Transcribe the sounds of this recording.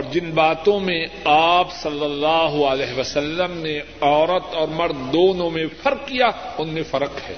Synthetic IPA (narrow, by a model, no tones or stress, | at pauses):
ɔːɾd͡ʒɪnbaːt̪õmẽ | aːpsɐlːəlːaːɦalɛːɦʋəsɐlːəmne | ɔːɾət̪ɔːɾmɐɾd̪d̪oːnõmẽfɐɾkːijaʊnːẽfɐɾəqɦɛ̰ː